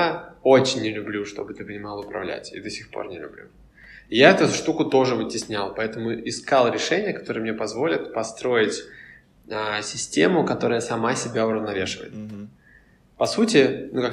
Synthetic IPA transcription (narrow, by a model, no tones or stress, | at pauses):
o̞t͡ɕɪnʲːɪlʲʊblʲuʂt̪o̞̰bɨt̪ɨpənʲɪmɑlˠəʊpɾɐ̰vlʲæ̰tʲḭd̪əsʲɪxpʰo̞̰rnʲɪlʲʉ̰blʲṵ | jaɛt̪ʊʂt̪ukʊt̪o̞ʐɨvɨtʲɪsʲnʲalˠpɐɛt̪əmʊɪskalˠɾʲɪʂɛnʲɪjəkɐ̥t̪o̞ɾɨjəmnʲepɐzvo̞lʲɪt̪pɐst̪ɾo̞ɪtʲ | əsʲɪsʲtʲe̞̰mʊkɐt̪o̞ɾəjəsɐmasʲɪbʲaʊɾəvnɐvʲe̞ʂɨvə̰jɪ̰t̪ | pɐsutʲɪnukak